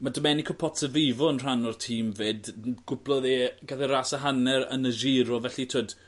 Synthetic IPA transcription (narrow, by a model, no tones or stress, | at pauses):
madəmɛnikʰɔpʰɔtsəvɪvɔənr̥anɔrtʰiːmveːdɡ̥ʊblˠɔðeɡaθɛraːsaɦanɛɾə̰nəʒiɾɔvɛɬitʰoːd̥